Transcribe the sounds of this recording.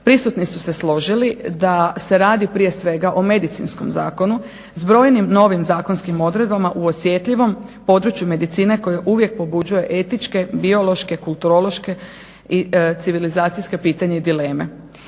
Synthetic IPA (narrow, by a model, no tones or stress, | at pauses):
pɾisut̪nisuse̞slo̞ʒilid̪ase̞ɾaːd̪ipɾije̞sʋe̞ɡaʔo̞me̞d̪it̪sḭnsko̞̰mza̰ːko̞nu | zbɾo̞ːjnimno̞ʋimzaːko̞nskimo̞d̪ɾe̞d̪̚bamaʔuosje̞t̪ʎiʋo̞mpo̞d̪ɾut͡ʃjume̞d̪it̪siːne̞ko̞jeʔuʋje̞k̚po̞bud͡ʑuje̞ʔe̞t̪it͡ʃke̞bio̞lˠo̞ʃke̞kulˠt̪uɾo̞lo̞ʃke̞ | it̪siʋilizaːt̪sijske̞piːt̪aɲeid̪ile̞ːme̞̰